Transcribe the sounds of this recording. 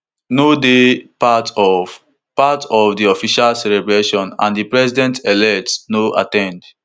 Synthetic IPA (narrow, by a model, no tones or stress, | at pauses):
nodepatʰɔv | patɔvdiɔfiʃalsɛlɛbɹeʃɔ̃nã̰ndipɹɛsidɛ̃ntɛlɛktsnoʔa̰tɛ̃nd